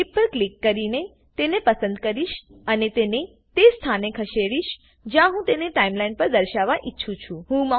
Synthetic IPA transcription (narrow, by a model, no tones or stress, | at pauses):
ipːəɾklikːəɾine | t̪enepəsə̃nd̪kəɾiʃənet̪ene | t̪est̪ʰanekʰəʃeɽiʃ | d͡ʒjãɦũt̪eneʈaimlainpəɾd̪əɾʃaʋaʔitːʃʰũt͡ʃʰũɦũmã